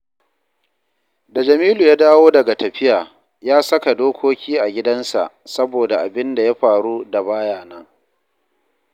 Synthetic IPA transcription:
da˨d͡ʒɐ˨miː˦luː˨jaː˦daː˦woː˦dɐ˨ɡa˨tɐ˨ɸɪ˦jaː˨ | jaː˦sɐ˦ka˨doː˦kʷoː˦kʲʰiː˦ʔa˨ɡʲɪ˦dɐ˦nsa̰˨ʔ | sɐ˦boː˨da˨ʔa̰˨bɪ˦nda˨ja˦ɸaː˨ɽuː˦da˨baː˦jaː˨nɐ˦ŋ

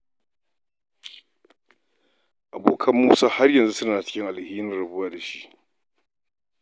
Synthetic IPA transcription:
ʔa˨boː˨kʰɐ˦mːuː˦saː˦ha˦rjɐ˨nzu˦sʊ˦naː˨t͡ʃɪ̥˦kʲɪ˦ŋʔa˨lhiː˦nɪ˦nɾɐ˦bʊ˦waː˨da˨ʃi˦ʔ

